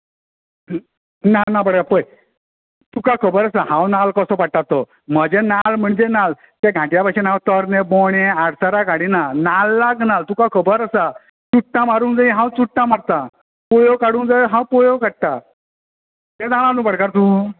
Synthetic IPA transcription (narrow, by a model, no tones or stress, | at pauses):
nanapəɽkapəj | t̪ukakʰəbəɾasaɦãwnalkəsɔpaʈat̪ːɔ | m̤əd͡ʑenalm̤əɳd͡ʑenal | t̪eɡʱãʈjapaɕenãwt̪əɾneboɽ̃eaɽsaɾakaɽinanalːaɡnalt̪ukakʰəbəɾəsa | t͡suʈːãmaɾũːnd͡zajiɦãwt͡suʈːãmaɾt̪a | pojokaɽũːnd͡zajɦãwpojokaɽ̚t̪a | t̪ẽd͡zaɭ̃ãnũpəɽkaɾt̪uː